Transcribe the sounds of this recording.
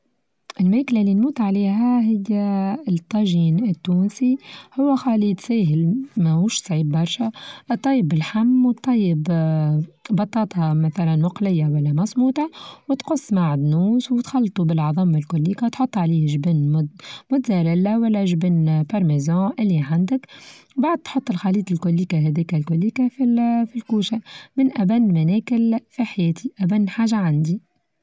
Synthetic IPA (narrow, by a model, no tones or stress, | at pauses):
ʔɪlmæklalːinmuːt̪ʕaliːɦæɦɪjːæt̪ˤːɑʒiːnɪt̪ːuːnsihʊwːæxɑːlit̪sɛːɦɪlmæmuːʃsˤʕiːbːɑɾˤʃaʔt̪ˤːɑjːəbɪlħamːwt̪ˤːɑjːəb | bɑt̪ˤːɑːt̪ˤɑmæθælænwɑqlɪjːawælːæmɑsˤmuːt̪ˤɑwɪt̪qʊsˤːmaʕɪd̪nuːswt̪xɑlːt̪ˤubɪlʕɑðˤɑmalkʊlːiːkawt̪ħot̪ˤːʕaliːhʒbɪnmʊmʊt̪zæɾɪlːawælːæʒbɪnpɑɾˤmazɑ̃ːʔɪlːiʕand̪əkwbaʕd̪̚t̪ħot̪ˤːəlxɑliːt̪ˤɪlkʊlːiːkaɦɛd̪ɛːkælkʊlːiːkafifilkuːʃamɪnʔæbænːmænɛːkɪlfiħajɛːt̪ʰiʔæbænːħaːʒaʕand̪i